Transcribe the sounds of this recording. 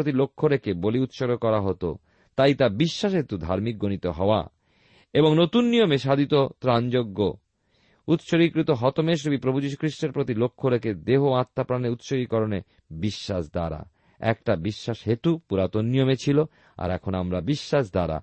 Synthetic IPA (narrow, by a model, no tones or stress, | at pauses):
ɾot̪ilokʰːoɾekeboliut̪ʃoɾokɔɾaɦot̪o̰ | t̪ajt̪abiʃːaʃɦet̪ud̪ʱaɾmik̚ɡonit̪oɦɔoa̰ | eboŋnot̪unːijomeʃad̪ʱit̪ot̪ɾand͡ʑoɡːo | ut̪ʃoɾikɾit̪oɦɔt̪omeʃ̬ɾubipɾobʱud͡ʑiʃ̬u̥kɾiʃʈeɾpɾot̪ilokʰːoɾeked̪eɦoãt̪ːapɾaneut̪ʃoɡikɔɾone | biʃːaʃd̪a̰ɾa̰ | ɛ̰kʈabiʃːaʃɦet̪upuɾat̪onːijomet͡ɕʰilo | a̰ɾɛkʰonamɾabiʃːaʃd̪aɾa̰